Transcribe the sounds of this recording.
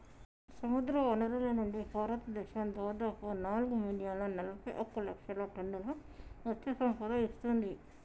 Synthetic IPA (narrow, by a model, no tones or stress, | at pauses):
sɐmud̪ɾɐɔnɐɾɐlɐnuɳɖibʱaːɾɐt̪ɐd̪ɛʃɐmd̪ɔːd̪aːpunaːluɡuminijaːloːnɐlɐbɐjʔɐkːulɐ̰kʂɐloːʈɐɳɖulɐɐt̪ːesɐmpɐd̪ɐist̪und̪i